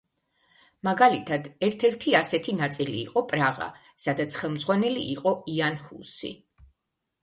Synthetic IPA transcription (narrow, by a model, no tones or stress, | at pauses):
maɡalit̪ʰad̪ɛɾt̪ʰɛɾt̪ʰiasɛt̪ʰinat̪sʼilḭːqʼɔpʼɾaʁa̰ | sad̪at̪sʰχɛlˠmd̪zʁwanɛliʔːqʼɔianhṵsḭ